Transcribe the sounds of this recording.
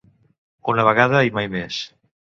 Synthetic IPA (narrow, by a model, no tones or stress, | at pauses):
unaβ̞aɣaðaajmajmes